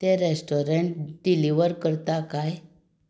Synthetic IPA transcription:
t̪eɾesʈoɾeɳʈɖiliʋəɾkəɾt̪akaj

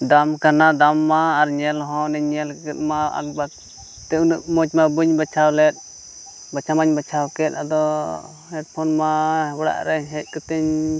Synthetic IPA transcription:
d̪amkanad̪amːaːɾɲɛlɦɔ̃nɛɲɛlkkɛt̪̚maa̰k̚bak̚ | t̪ɛunuʔmɔt͡ʃmabuɲbat͡ʃʰawlɛt̪̚ˀ | bat͡ʃʰamaɲbat͡ʃʰawkɛt̪ɾa̰d̪ɔ | ɛʈpʰɔnmabɽa̰ʔɾɛɲɦɛc̚ˀkɔt̪ɛɲ

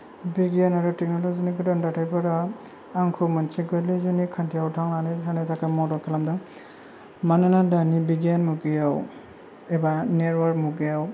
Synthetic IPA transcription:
biɡanaɾɯtek̚nɔlɔziniɡɯdandatʰajbɯɾaː | ŋkʰumant͡ʃiɡalɯzunikʰantʰijawtʰaŋnanɯsandatʰakamɔdɔkʰelamdɯŋ | manɯnadanibiɡanmuɡejaw | ebaneɾwaɾkmuɡejaw

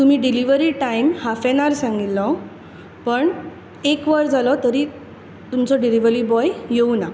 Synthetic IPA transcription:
t̪um̤iːɖiliʋəɾiʈaimhafeñaɾsãŋɡilːɔ | pəɳ | ekʋəɾd͡zalɔt̪əɾiː | t̪umt͡sɔɖiliʋəɾiːbɔjjeuna

